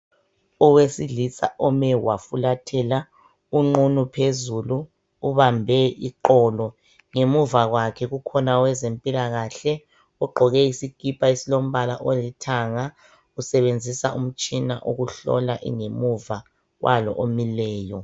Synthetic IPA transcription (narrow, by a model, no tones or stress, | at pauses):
ɔwesiɮisa̰ʔɔmɛwafulatʰɛla | uŋ͡ǃunupʰezuluː | βambʱɛḭǃɔːlɔ | ŋemuvaɣwakʰɛɣukʰɔnawɛzempʼilaɣaɬɛ | uɡ͡ǃʱɔɣɛisiɡ̥ʱipʰʼaisilom̩βalaʔolitʰaŋa | usɛβend͡zʱisa̰um̩t͡ʃʼina̰ʔuɣuɬɔ̰laʔḭŋemuva | ɣwʔalɔ̰ʔomilɛːjɔ